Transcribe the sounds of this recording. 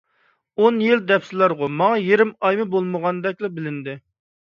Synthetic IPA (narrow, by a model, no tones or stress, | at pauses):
onjild̪ɛpsɪlˠɑɾʁʊmɑŋɑjeɾɪmɑjmɨbolˠməʁɑnd̪ɛk̚ʲlɛbɪlɪnd̪ɪ